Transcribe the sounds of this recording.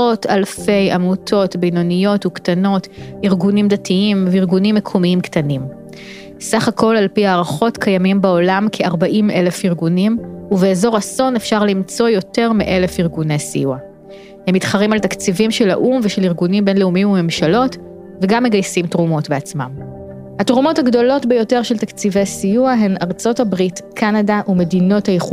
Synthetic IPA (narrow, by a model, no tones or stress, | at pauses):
otʰalfe̞jamutʰo̞tbijnonijo̞tuktano̞tiʁɡunimdatʰiimveiʁɡunimːekʰomiimktanim | saχakʰo̞lalpiaːʁaχo̞tkʰajamimbao̞lamkʰeaʁbaʔime̞le̞fiʁɡunimuveezo̞ʁaso̞nefʃaʁlimt͡so̞jo̞te̞ʁmiʔe̞le̞fiʁɡune̞jsḭjua | hemːitχɐʁimaltakt͡sivimʃela̰ʔumveʃeliʁɡunimbe̞nleumimume̞mʃalo̞t | veɡamːe̞ɡajsimtʁumo̞tbeat͡smam | hatʁumo̞thaɡdo̞lo̞tbejo̞teʁʃeltakt͡sivejasijuaɦenaʁt͡so̞thabʁitkʰanadaʔume̞dino̞thajeχu